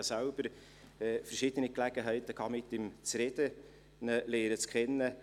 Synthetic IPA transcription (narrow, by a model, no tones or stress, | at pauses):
sælb̥əɾ | ɛfərʃɪd̥̪əniklæɡ̥əɦæɪt̪əkʰɑːmɪt̪ːɪmt͡sɾɛd̪̥ə | nəleːɾət͡skʰɛnːə